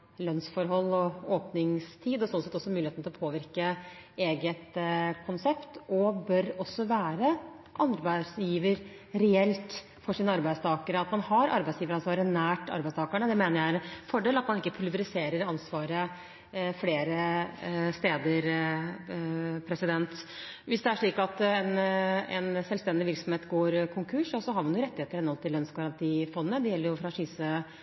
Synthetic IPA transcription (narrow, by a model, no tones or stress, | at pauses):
lœnsfɔɾɦɔlːɔoːpnɪŋst̪ʰiːd̪ɔsɔnsɛt̪ːɔsːɔmʉːlɪeːt̪nɪlɔpʰoːʋɪɾkəeːɡət̪kʰʊnsɛpt̪ɔbœɾɔsːɔʋæːɾə | ʔɑnɾbæɪsjiːʋəɾ | ɾɛɛlt̪ | fɔʂiːnəɑɾbæɪd̪st̪ʰɑːkəɾəɑt̪mɑnhɑɾɑ̰ɾbæɪsjiːʋəɾɑnsʋɑːɾənæːʈɑ̰ɾbæɪst̪ʰɑːkəɳəd̪ɛmeːnəɾjæɪɛnfɔɖeːlɑt̪mɑnɪkːəpʰʉlʋəɾɪseːɾəɾɑnsʋɑːɾə | fleːɾə | st̪eːd̪əɾ | pʰɾɛsɪd̪ɛnt̪ | ʋɪsd̪ɛæʂɭiːkɑt̪ɛnɛnsɛlst̪ɛnd̪ɪʋɪɾksɔm̩heːt̪ɡoːɾkʰʊŋkʰʉʂɑsɔɦɑɾmɑnjʊɾɛt̪ːɪheːt̪əɾhɛnːɔlt̪ʰɪlːœnsɡɑɾɑnt̪ʰiːfɔnːnəd̪ɛjɛlːəjʊfɾɑʂiːsə